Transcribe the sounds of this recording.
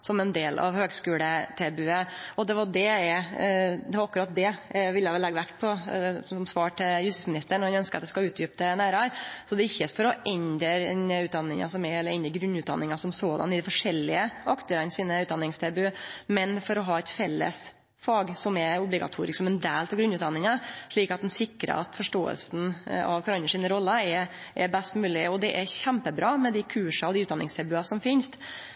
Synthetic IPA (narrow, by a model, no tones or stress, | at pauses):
sɔmɛnd̪eːlʔɑ̰ʋhøːɡskʉːlət̪ʰɛbʉəɔd̪ɛʋɑɖɛɛ | d̪ɛʋɾɑkʉɾɑt̪̚d̪ɛʋɪlːjæʋɛlɛɡːʋækt̪pʰɔsɔmsʋɑːʈʰɪljʉst̪ɪsmɪnɪst̪əɳɔɾhɑnœnskəɾɑt̪d̪ɛskɑlʉːt̪ʰjʏp̚t̪ənæːɾɑɾsɔd̪ɛɪçːəfɔɾɔʔɛnd̪əɛnəʉːt̪d̪ɑnːɪŋɑ̰sɔmɛɛlːəɾɛnd̪əɾɡɾʉnːʉːd̪ɑ̰nːɪŋɑsɔmsoːd̪ɑ̰nɪd̪ɪfɔʂɛlːɪəɑkt̪ʊɾɑnsiːnəʉːt̪̚d̪ɑnːɪŋst̪ʰɛbʉmɛnfɔɾɔɦɑːɛt̪fɛlːə̰s | fɑːɡsɔmɛʊblɪɡɑ̰t̪ʰuːɾɪsksɔmɛnd̪æːlt̪ʰɔɡɾʉnːʉːt̪d̪ɑnːɪŋɑʂɭiːkɑt̪̚d̪ɛnsɪkːɾə̰ɑt̪fɔʂʈoːə̰lsn̩ɑ̰ʋkɾɑnːəʂiːnəɾɔlːəɛ | ʔɛbɛst̪mʉːlɪɔd̪ɛʔɛçæmpəbɾɑːmɛd̪ɪkʰʉːʂɑɔd̪ɪʉːt̪d̪ɑnɪŋst̪ʰɛbʉɑsɔmfɪnst̪